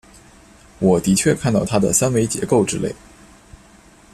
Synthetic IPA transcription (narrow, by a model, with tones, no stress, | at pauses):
wɔ˨˩t̪i˧˥t͡ɕʰɥɛ˥˧kʰa˥˧nt̪ɑ˥˩ʊt̪ʰa˥d̪ə̰˨sa˥nwe˧˥ɪt͡ɕjɛ̰˧˥ko˥˩ʊʈ͡ʂɻ̩˥lḛ˥˩ɪ